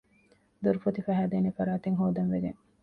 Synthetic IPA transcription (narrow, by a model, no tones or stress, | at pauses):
d̪uɾufot̪ifæɦæːd̪eːnefɐɾaːt̪eŋɦoːd̪ɐnʋeɡḛŋ